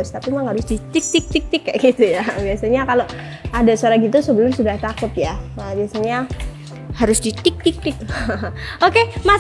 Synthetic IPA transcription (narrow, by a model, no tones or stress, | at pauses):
ʊst̪apimaŋhaɾʊsdit̪ɪk̚t̪ik̚t̪ɪk̚t̪ɪkːaʔɡit̪ujabiasaɲakalo | adasoaɾaɡit̪usəbəlʊrsudaht̪akʊt̪jaəbiasaɲa | haɾʊsdit̪ɪk̚t̪ɪk̚t̪ɪk̚ | okema